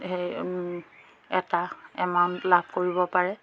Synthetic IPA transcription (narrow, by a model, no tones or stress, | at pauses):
hej | ɛtaɛmaʊntlabʱkoɹibɔpaɹɛ